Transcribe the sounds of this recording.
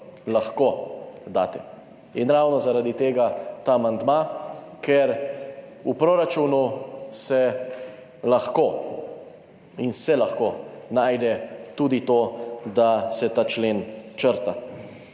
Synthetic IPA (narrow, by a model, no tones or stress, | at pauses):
laxkod̪a̰ːt̪ɛ | inɾawnɔzaɾad̪it̪eːɡat̪aːmand̪makʰɛɾ | upɾoɾat͡ʃunusɛ | laxko | insɛlaxkonaːjd̪ɛt̪ud̪it̪oːd̪asɛt̪aːt͡ʃleːnt͡ʃəɾt̪a